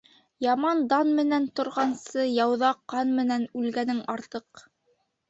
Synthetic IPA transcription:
jɑmɑnd̪ɑnmɘ̆nænt̪ŏɾʁɑnsɤjɑwðɑqːɑnmɘ̆nænʉlɡænɘŋɑɾt̪ɤq

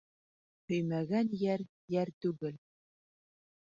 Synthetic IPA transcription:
hɵ̆jmæɡænjæɾ | jæɾt̪ʉɡɘl

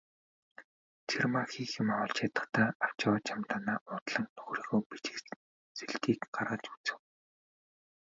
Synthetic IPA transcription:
t͡ɕʰirmaxiːxɪmaʁʊɮt͡ɕʰat̪ə̆χt̪ʰæːaw̥t͡ɕɪwaːt͡ɕamt̪aːnaːʔʊːt̪ɮə̆ŋnɵɣɾiːɣoːpit͡ɕɪ̆k | t͡seɮkiːkɢaɾʁə̆t͡ɕu̥t͡sɘ̆w

